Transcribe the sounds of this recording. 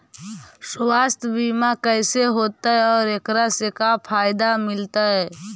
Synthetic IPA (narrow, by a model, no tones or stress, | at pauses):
swast̪ʰəbimakəɪseɦot̪aɦɛɔːɾekɾasekapʰaɪd̪amɪlt̪aɦɛ